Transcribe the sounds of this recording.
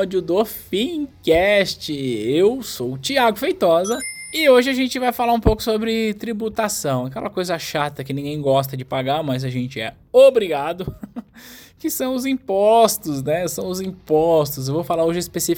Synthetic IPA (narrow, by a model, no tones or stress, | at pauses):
d͡ʒʊd̪ofĩkɛst͡ʃɪewsowt͡ʃiaɡʊfejt̪ɔzɐɪoʒɪaʒẽnt͡ʃɪvajfalaɾũpowkʊ̥sobɾɪt̪ɾibut̪asɐ̃w̃akɛ̰lʔɐkojzɐʃat̪ɐkɪnĩɡẽj̃ɡɔs̬t̪ɐd͡ʒɪpaɡamɐzɐʒẽnt͡ʃɪɛ̰ | obɾiɡad̪ʊ | kɪsɐ̃w̃ʊzĩpɔst̪ʊznɛesɐ̃w̃ʊzĩpɔst̪ʊz̬ewvowfalaɾoʒɪɪspesi